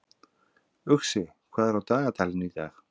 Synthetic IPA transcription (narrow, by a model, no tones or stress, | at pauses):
ʏxsɪ | kʰvaːðɛɾawt̪aːɣat̪ʰaːlɪniθa̰x